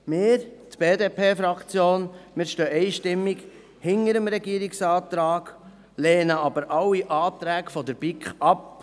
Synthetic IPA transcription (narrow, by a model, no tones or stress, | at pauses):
mɪːɾt̪b̥eːd̪eːpʰeːfɾɑkt͡sjoːnmɪːɾʃtøːʔɛɪʃtɪmːiɡ | hɪŋəɾəmɾɛɡiəɾiksɑːt̪ɾɑːɡ̥ | leːnəɑbəɾʔɑwːiʔɑːt̪ɾæːkfɔd̪əɾb̥ikχɑp